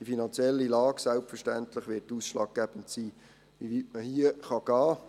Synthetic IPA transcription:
d̥ifinɑnt͡sjɛlːilɑːɡsælpfərʃtæntlɪχʋɪːtːuːsʃlɑːɡ̚ɡ̥æb̥ən̩tsiː | ʋiʋitməhiəχɑɡ̥ɑː

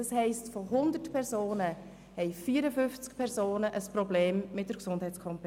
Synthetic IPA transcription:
ɑshɛɪstfɔɦʊnd̪ətpʰɛɾsoːnə | hɛɪfiːəɾəfʏft͡skpʰɛɾsoːnəʔəsprɔbleːmmɪt̚dəɾksʊndhɛɪt͡skʰɔmp

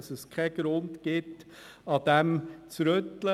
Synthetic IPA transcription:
səskʰɛɡ̥ɾʊntɡ̥ɪt | ɑd̥̪ɛmt͡sɾøtlə

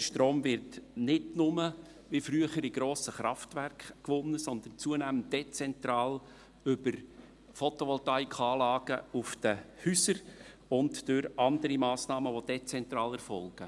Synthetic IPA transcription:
dəʃtɾoːmvɪɾtnɪdnʊmə | ʋifɾyəχəɾiɡ̥ɾoːsəχɾɑftværkχkʋʊnːəsɔnd̪ən̩t͡suənæmənt̚d̥et͡sɛnt̪ɾɑːl | ʏbəɾ | fɔtoʋɔltɑikχɑːlɑːɡ̥əʊfd̥əhysəɾ | ʊntd̥øɾɑndəɾimɑːsnɑːməʋod̥et͡sɛnt̪ɾɑːlɛɾfɔlˠɡ̥ə

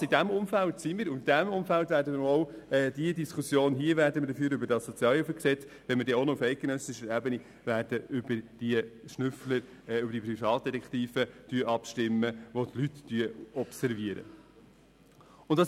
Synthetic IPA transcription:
id̥æmʊmfæltsimiːɾʊnd̥æmʊmfæltvæːɾdəməɔʊɛːdiədiskʰusjoːnɦiəvæɾdəməɾdəfyːɾøbəɾdɑssɔt͡sjɑːlifəksɛt͡s | ʋɛnmədɛːonɔʊfɛɪt̚ɡ̥enœsɪʃəɾæbəni | væːɾd̥əʔʏbəɾd̥iəʃnʏfləɾ | ʏbɾd̥iprifɑːt̚d̥̪ɛtɛkχt̪iːfətyəʔɑpʃtɪmːəʋotlyt̪ːyəɔpsɛɾviəɾə̰ | ʊnttɑs

